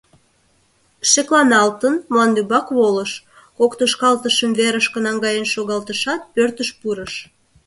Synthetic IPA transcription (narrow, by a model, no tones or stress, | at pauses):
ʃeklɑnɑlt̪ənmlɑnd̪ybɑkβoləʃ | kokt̪əʃkɑlt̪əʃəmveɾəʃkənɑŋɡɑjənʃoɣɑlt̪əʃɑt̪̚pørt̪əʃpuɾəʃ